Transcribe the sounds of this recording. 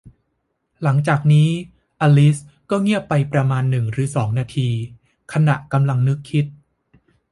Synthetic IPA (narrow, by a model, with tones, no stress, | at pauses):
la˩˦ŋt͡ɕaː˨˩k̚niː˦˥ | ʔaː˧li˦˥s | kɔː˥˩ŋi˥˩əpːa˧jpɾa˧maː˧nːɯ˨˩ŋɾɯː˩˦sɔː˩˦ŋnaː˧t̪ʰiː˧ | kʰa˧na˨˩ʔka˧mla˧ŋnɯ˦˥kʰːi˦˥t̪̚